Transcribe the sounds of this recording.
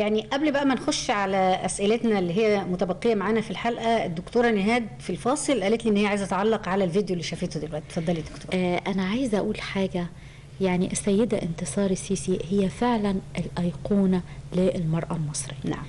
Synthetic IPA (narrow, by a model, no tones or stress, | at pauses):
jaʕniʔæblbæʔæmænxoʃːʕalæʔæsʔɪlet̪nælːiːɦejːæmʊt̪æbæqːejæmaʕaːnæfilħalʔæd̪ːokt̪oːɾˤɑnːeɦæːd̪̚filfɑːsˤɨlʔæːlet̪liʔenːhejaʕajezæt̪ʕɑlːɑqʕalælvid̪jolːiːʃæfeːt̪od̪ilwæʔt̪ifɑd̪ˤːɑlid̪okt̪oːɾʔænæʕajezʔæʔuːlħaːɡæ | jaʕniʔæsæjːed̪æʔɪnt̪esˤɑːɾˤisiːsihejːæfeʕlænʔɪlʔɑjquːnæleʔlmɑɾˤʔɑlmɑsˤɾiːna̰ʕm